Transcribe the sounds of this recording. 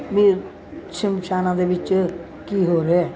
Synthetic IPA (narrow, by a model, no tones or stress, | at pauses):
ʋiː | ʃɪmʃaːnãːd̪eʋɪt͡ʃ | kiːɦoːɾɦɛː